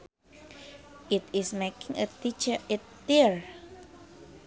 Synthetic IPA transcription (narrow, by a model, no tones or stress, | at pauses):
itismekɪ̃ŋətit͡ʃəɪtːiɹ